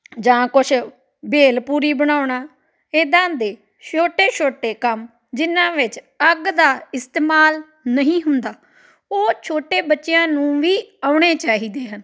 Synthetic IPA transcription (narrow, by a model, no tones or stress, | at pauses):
d͡ʒãːkʊt͡ʃʰ | beːlpuːɾiːbəɽaːʊɳaː | eːd̪ãːd̪eː | ʃoːʈeːʃʰoːʈeːkəm | d͡ʒɪnãːʋɪt͡ʃ | əɡd̪aːɪst̪eːmaːl | nəɦĩːɦʊnd̪aː | oːt͡ʃʰoːʈeːbətːʃejãːnũːʋiːaʊɽ̃eːt͡ʃaːɦiːd̪eːɦən